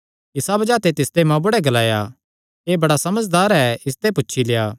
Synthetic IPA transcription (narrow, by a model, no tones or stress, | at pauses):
ɪsabɐd͡ʒaːt̪et̪ɪst̪emãbʊɽɛɡɐlaːja̰ | eːbɐɽasɐməd͡ʒd̪aːɾɛɪst̪epʊtːʃʰilejaː